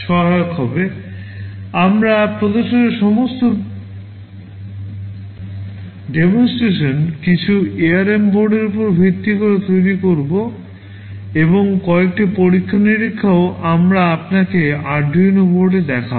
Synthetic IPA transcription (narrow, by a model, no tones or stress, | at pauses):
ʃɔɦaokɦɔbe | amɾapɾod̪oɾʃoneɾʃɔmost̪o | ɖemonsʈɾeʃonkit͡ɕʰueaɾemboɾɖeɾupoɾbʱit̪ːikoɾet̪ojɾikoɾbo | eboŋkɔek̚ʈipoɾikʰːaniɾikʰːaoamɾaapnakeaɾɖʱinoboɾɖed̪ɛkʰa